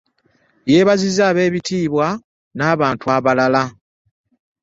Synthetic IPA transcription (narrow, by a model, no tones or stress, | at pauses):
je̞ːβazizaːβe̞ːβitiːβwa | naːβaːntuaβalala